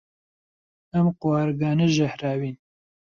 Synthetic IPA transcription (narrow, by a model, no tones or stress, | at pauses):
ɐmqʊwɑːɾɡɑːneʒɛhɾaːwiːn